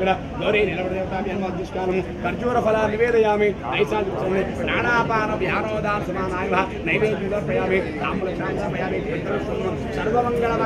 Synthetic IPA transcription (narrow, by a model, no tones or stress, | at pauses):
ɡɐɽɐ | ɡ̪ɐʋɾeːnilɐbɐɽɐd̪eːʋɐt̪aːʋjɐnʋɐːd̪uʃkaːlɐmukɐɾd͡ʒuːɾɐpɐlaːniʋeːd̪ɐjaːminɐjsaːd̪it͡ʃːɐnd̪ipɾaːɽaːpaːnɐʋjaːnɔːd̪ʱaːnsɐmaːnaːjɐʋɐɐ | nɐjʋeːd̪md̪ɐɾpɐjaːmit̪a̰ːmulɐt͡ʃaːnd̪aːpɐjaːɾeːt̪iʋɐt̪ːɐɾɐsɐmɐnɐ | sɐɾʋɐmɐŋɡɐɳɐmɐ